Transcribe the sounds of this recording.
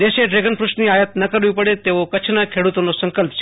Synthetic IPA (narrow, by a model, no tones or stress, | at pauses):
d̪eʃeɖɾeɡənpɾuʃniajət̪nəkəɾʋipəɽet̪eʋokət͡ʃʰnakʰeɽut̪onosəŋkəlpt͡ʃʰ